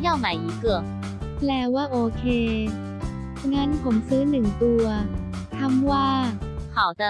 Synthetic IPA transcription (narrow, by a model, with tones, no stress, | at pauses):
ja˥˩wma˨˩˦jʔi˨˩kɯ˨˩k̚ | lɛː˧˥waː˥˩ʔoː˧kʰeː˧ | ŋa˦˥npʰo˩˦msɯː˦˥nɯ˨˩ŋt̪u˧ɐ | k̪ʰa˧˥˩mwaː˥˩kʰa˨˩˦wt̪a˧˩